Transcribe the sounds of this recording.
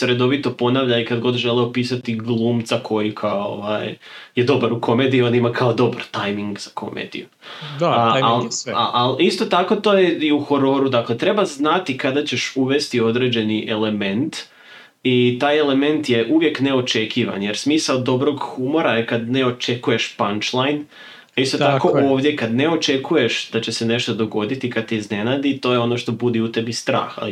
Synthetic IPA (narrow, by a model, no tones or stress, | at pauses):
sɾe̞d̪o̞ʋit̪o̞po̞naʋʎaikad̪ɡo̞d̪ʒe̞leopiːsat̪iɡlˠuːmt̪zakʰo̞jikʰaoo̰ʋa̰jje̞d̪o̞baɾukʰo̞me̞d̪iːo̞nd̪imakʰaod̪o̞baɾt̪ajmiŋɡz̥akʰo̞̰mʔḛːd̪ḭju | alaʔalist̪o̞t̪ako̞t̪o̞ːjeiuxo̞ɾo̞ːɾud̪akle̞t̪ɾe̞baznat̪ikad̪at͡ɕe̞ʃuʋe̞st̪io̞d̪ɾe̞d͡ʑe̞niʔe̞le̞me̞nt̪ | it̪aːje̞le̞me̞nt̪je̞ʔuʋje̞kne̞o̞t͡ʃe̞kʰiʋa̰nje̞ɾsmiːsaod̪o̞bɾo̞ɡxumo̞ɾaekad̪ne̞o̞t͡ʃe̞kuje̞ʃpant͡ʃlˠajn | ist̪o̞t̪ako̞oːʋd̪je̞kad̪ne̞o̞t͡ʃe̞kuje̞ʃd̪at͡ɕesene̞ʃt̪o̞d̪o̞ɡo̞d̪it̪ikad̪̚t̪eizne̞naːd̪it̪o̞jeo̞no̞ʃt̪o̞bud̪iut̪e̞bist̪ɾa̰ːxa̰li